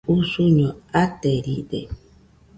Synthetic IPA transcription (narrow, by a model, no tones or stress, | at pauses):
usuɲɔ̃atɛɾidɛ̰